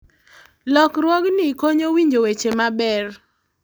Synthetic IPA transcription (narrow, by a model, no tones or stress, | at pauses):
lɔkɾwɔɡnikoɲowiɲd͡ʒowet͡ʃemabɛr